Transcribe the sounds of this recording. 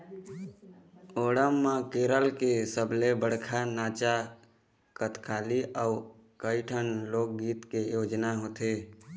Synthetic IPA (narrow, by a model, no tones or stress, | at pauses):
oːɽəmːãkeːɾəlkesəbʱlebəɽ̤kʰanaːt͡ʃa | kət̪ʰkʰaːliʔəu | kəɪʈʰənloːk̚ɡiːt̪kejoːd͡ʒnaɦoːt̪e